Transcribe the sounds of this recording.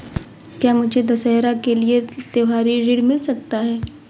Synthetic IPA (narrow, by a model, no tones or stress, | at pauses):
kjaːmʊd͡ʒʱed̪ɐsɛːɦɾakeliet̪eʋaːɾiɾiɽmɪlsɐk̚t̪aɦɛː